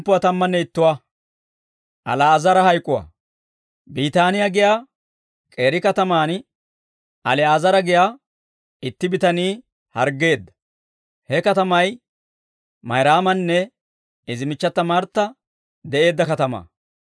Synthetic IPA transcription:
pːʊwɐt̪ɐmːɐnːɛɪt̪ːʊwa | ʔɐ̰laːzɐɾɐhɐjkʼːʊwa̰ː | biːt̪aːnɪjaɡɪjaː | kʼe̞ːɾɪkɐt̪ɐmaːn | ʔɐlɛaːzɐɾɐɡɪjaː | ɪt̪ːɪbɪt̪ɐniː | hɐ̰ɾɡːe̞ːd̪ːɐ̥ | hɛkɐt̪ɐmɐj | mɐjɾaːmɐnːɛ | ɪzɪmɪt͡ʃːɐt̪ːɐmaɾt̪ːɐ | d̪ɛʔe̞ːd̪ːɐkɐt̪ɐma̰ː

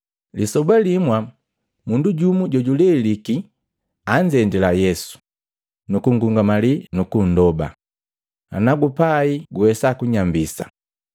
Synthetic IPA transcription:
lisɔbalimwa | munduɟumuɟɔɟulɛliki | aɲd͡ʒɛndɛlajɛsu̥ | nukuŋɡuŋɡamalinukun̩dɔba̰ | a̰naɡupaiɡuwɛsakuɲambisa̰

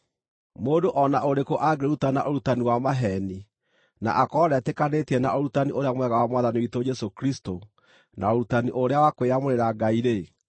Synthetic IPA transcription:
moːdoʔɔnaʔoɾekoʔaɡeɾutana̰ʔoɾutaniwamaɦɛni | na̰ʔakɔɾɛtɛkanetiɛnaʔoɾutaniʔoɾeamwɛɣawamwaðaniwitod͡ʒɛsokɾisto | naoɾutaniʔoɾeawakoweamoɾeɾaɡaiɾe

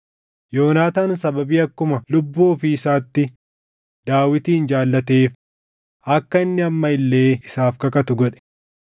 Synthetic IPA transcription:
jo̞ːnaːt̪aːnsɐbɐbiːɐkːʊmɐlʊbːuːfɪːsaːt̪ːɪ | d̪̥aːwɪt̪iːnd͡ʒaːlːɐt̪e̞ːf | ɐkːɐɪnːɪɐmːɐɪlːe̞ːɪsaːfkɐkɐt̪ʊɡɔᶑɛ̥

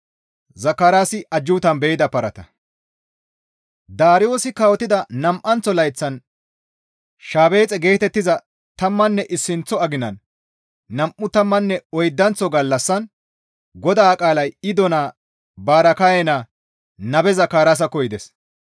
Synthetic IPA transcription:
zɐkːaːɾaːsɪʔɐd͡ʒːʊːt̪ɐnbɛjɪd̪ɐpɐɾɐt̪ɐ | d̪aːɾɪjo̞ːsɪkawɔt̪ːɪd̪ɐnɐmʔɐnt͡sːɔlɐjt͡sːɐn | ʃaːbe̞ːt͡sʼɛɡe̞ːt̪ɛt̪ːɪzɐ | t̪ɐmːɐnːɛʔɪsːɪnt͡sːɔɐɡɪnɐnː | ɐmʔʊt̪ɐmːɐnːɛɔjd̪ːɐnt͡sːɔɡɐlːɐsːɐn | ɡɔd̪aːkʼaːlɐjɪd̪ɔnaː | baːɾɐkajɛna | nɐbɛzɐkːaːɾaːs̬ɐkɔjɪd̪ɛs

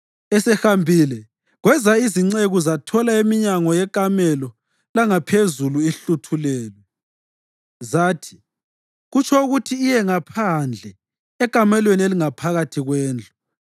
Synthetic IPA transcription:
ɛsɛxambʱilɛ | ɣwɛzaiziŋ͡ǀeɣuzatʰɔlaemiɲaŋɔjɛkʼamɛlɔ | laŋapʰezuluiɬutʰulɛːlwɛ | zaːtʰi̥ | ɣut͡ʃʰɔuɣutʰiːjɛŋapʰand͡ɮʱɛ | ɛkʼamɛlwenieliŋapʰaɣatʰiɣwɛːnd͡ɮʱu

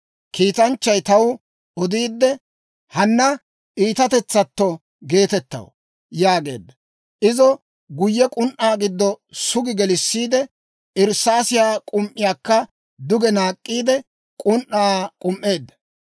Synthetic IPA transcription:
kiːt̪ɐnt͡ʃːɐjt̪ɐw | ɔd̪iːd̪ːɛ | hɐnːɐ | ʔiːt̪ɐt̪ɛt͡sːɐt̪ːɔ | ɡe̞ːt̪ɛt̪ːɐ̰wɔ̰ | jaːɡe̞̰ːd̪ːɐ | ʔɪzɔ | ɡʊjːɛkʼʊnʔaːɡɪd̪ːɔsʊɡɪɡɛlɪsːiːd̪ɛ | ɪɾsaːsɪjaːkʼʊmʔɪjaːkːɐ | d̪ʊɡɛnaːkʼːiːd̪ɛ | kʼʊnʔaːkʼʊmʔːe̞ːd̪ːɐ̥

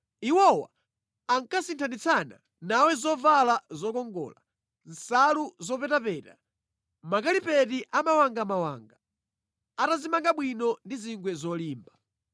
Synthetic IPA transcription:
iwɔwa̰ː | ŋkasintʰandit͡sʰana̰ | nawɛzɔvalazɔkɔŋɡɔ̰ːla̰ | n̩saluzɔpɛtapɛːta̰ | makalipɛtiʔamawaŋɡamawa̰ːŋɡa | atazimaŋɡaɓwinɔndiziŋɡwɛzɔliːmba

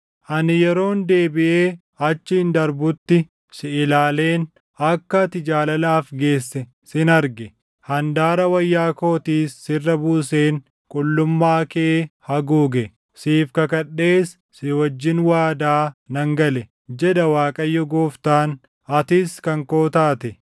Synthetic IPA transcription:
ʔɐnɪjɛɾo̞ːnd̪e̞ːbɪʔe̞ː | ɐt͡ʃːɪɪnd̪ɐɾbʊt̪ːɪ | sɪɪlaːle̞ːn | ɐkːɐt̪ɪd͡ʒaːlɐlaːfɡe̞ːsːɛ | sɪnɐɾɡɛ | hɐnd̪aːɾɐwɐjːaːko̞ːt̪iːsːɪrːɐbuːse̞ːn | kʼʊlːʊmːaːkehɐɡuːɡɛ | siːfkɐkɐɗe̞ːsːɪwɐd͡ʒːɪnwaːd̪aːnɐŋɡɐlɛ | d͡ʒɛᶑɐwaːkʼɐjːɔɡoːft̪aːn | ɐt̪ɪskɐŋko̞ːt̪aːt̪ɛ

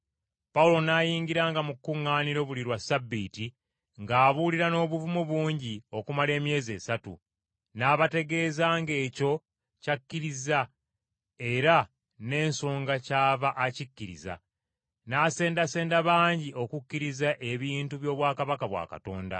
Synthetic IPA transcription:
paulo̞naːjiːŋɡiɾaːŋɡamukːuŋːaːniɾo̞βuliɾwasabːiti | ŋɡaːβuliɾano̞ːβuvumuβuːɲɟio̞kumale̞ːmje̞ːze̞ːsatṵ | naːβate̞ɡe̞ːzaːŋɡe̞ːco̞ | cakːiɾiza | e̞ɾa | ne̞ːnso̞ːŋɡacaːβaʔacikːiɾḭza̰ | naːse̞ːndase̞ːndaβaːɲɟiʔo̞kukːiɾizaʔe̞βiːntuβjo̞ːβwaːkaβakaβwa̰ːka̰to̞̰ːnda̰

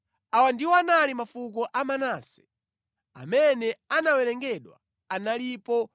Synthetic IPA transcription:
awandiwɔanalimafuk̬ɔʔamanaːsɛ̥ | a̰mɛnɛanawɛlɛŋɡɛɗwa̰ | analipɔ

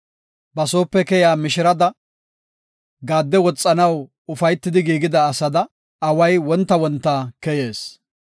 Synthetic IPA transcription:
bɐso̞ːpːɛkɛjaːmɪʃɪɾɐd̪ɐ | ɡaːd̪ːɛwɔt͡sʼːɐnɐw | ʊfɐjt̪ːɪd̪ɪɡiːɡɪd̪ɐːsɐd̪ɐ | ɐwɐjwɔnt̪ːɐwɔnt̪ːaːkɛje̞ːs

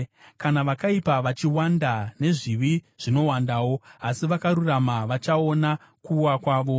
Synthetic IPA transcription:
kanaʋakaipaʋat͡ʃiwandane̞ʐiʋi | ʐ̥ino̞wandaːwo̞asiʋakaɾuramaʋat͡ʃao̞na | kuːwakwaːʋo̞

